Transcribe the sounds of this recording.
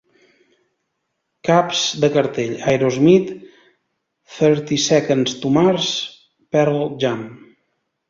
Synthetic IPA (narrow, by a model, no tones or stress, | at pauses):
kapz̥d̪əkəɾt̪eʎajɾozmit̪ | θɛɾt̪isɛkənst̪umaɾs | pɛɾlˠʒam